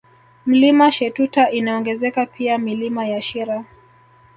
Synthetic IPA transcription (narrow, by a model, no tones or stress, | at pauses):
m̩limaʃɛtutaʔinaɔŋɡɛzɛkapʰiamilimajaʃiɾa